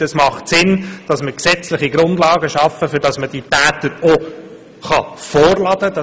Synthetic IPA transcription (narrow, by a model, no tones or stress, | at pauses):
əsmɑχtsɪnd̥ɑsməksɛt͡slɪχiɡɾʊnd̪lɑːɡəʃɑfəfʏɾd̥ɑsməd̥itæːt̪əɾɔ | χɑfɔːɾlɑd̪əd̥ɑ